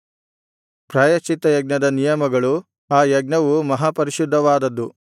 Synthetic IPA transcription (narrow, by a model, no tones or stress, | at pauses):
pɾaːjɐt͡ʃit̪ɐjɐɡnɐd̪ɐnijɐmɐɡɐɭu | aːjɐɡ̚nɐʋumɐɦaːpɐɾiʃud̪ʱːɐʋaːd̪ɐd̪ːu